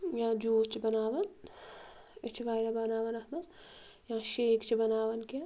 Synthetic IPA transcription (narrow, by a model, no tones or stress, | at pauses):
jãːd͡ʒoːt͡ʃʰibɐnaːʋɐn | et͡ʃʰiʋaːjɾɐbɐnaːʋɐnɐhmɐs | jãːʃeːkt͡ʃʰibɐnaːʋɐnka